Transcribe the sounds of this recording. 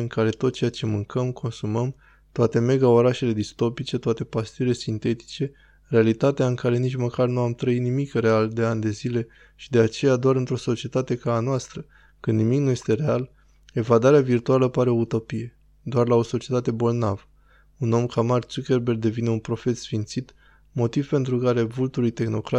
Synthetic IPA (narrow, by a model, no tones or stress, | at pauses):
ɨŋkaɾe̞t̪o̞t̪̚t͡ʃejat͡ʃe̞mɨŋkʰəmkʰo̞nsuməm | t̪oat̪e̞me̞ɡao̞ɾaʃe̞le̞d̪ist̪o̞pit͡ʃe̞t̪oat̪e̞past̪iuɾile̞sint̪e̞t̪i̥t͡ʃe̞ | re̞alit̪at̪eaɨŋkaɾe̞nit͡ʃməkarnuamt̪ɾəit̪nimikre̞ald̪e̞anʲd̪e̞zile̞ | ʃid̪e̞at͡ʃe̞jad̪oaɾɨnt̪ɾo̞so̞t͡ʃie̞t̪at̪e̞kaːnoast̪ɾə | kɨnd̪nimiknuje̞st̪e̞ɾe̞al | e̞vad̪aɾeavirt̪ualəpaɾe̞o̞ut̪o̞pije̞ | d̪oarlao̞so̞t͡ʃie̞t̪at̪e̞bo̞lnav | uno̞mkamart̪sukʲe̞rberɡd̪e̞vine̞unpɾo̞fe̞t̪sfint̪sit̪ | mo̞t̪ivpe̞nt̪ɾukaɾe̞vult̪ulujt̪e̞xno̞kɾa